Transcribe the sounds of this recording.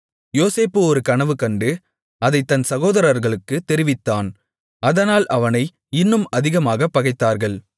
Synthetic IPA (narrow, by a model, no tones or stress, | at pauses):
joːseːpːɯɔɾɯkɐɳɐʋɯkɐɳɖɯ | ɐðɐɪt̪ːɐnsɐɣoːðɐɾɐɾɣɐɭɯkːɯt̪ɛɾɪʋɪt̪ːaːn | ɐðɐnaːlʔɐʋɐnɐɪ | ɪnːɯmɐðɪɣɐmaːɣɐpːɐɣɐɪt̪ːaːɾɣɐɭ